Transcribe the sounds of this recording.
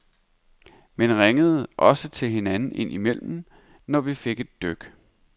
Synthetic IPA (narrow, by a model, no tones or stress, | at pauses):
menʁaŋəð̞̩ˠʔɒ̽sət͡sʰe̝lɦe̝nænn̩ʔe̝n̰ʔimel̰mn̩ | nɒʋife̝ɡ̥e̝d̥ːøɡ̥